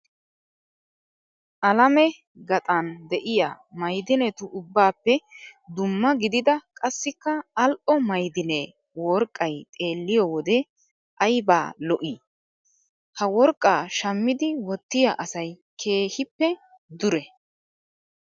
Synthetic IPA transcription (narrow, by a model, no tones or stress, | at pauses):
ʔɐlɐmɛ | ɡɐt̪ʼɐnd̪ɛʔɪja̰ː | mɐjd̪ɪnɛt̪ʊʔʊbːaːpːɛd̪ʊmːɐɡɪd̪ɪd̪ɐkʼɐsːɪkːɐɐlʔɔmɐjd̪ɪne | wɔɾkʼːɐjt̪ʼe̞ːlːɪjɔwɔd̪ɛ | ʔɐjba̰ːlɔʔiː | hɐwɔɾkʼːaːʃɐmːɪd̪ɪwɔt̪ːɪjaʔɐsɐj | kʰe̞ːhɪpːɛ | d̪ʊɾɛ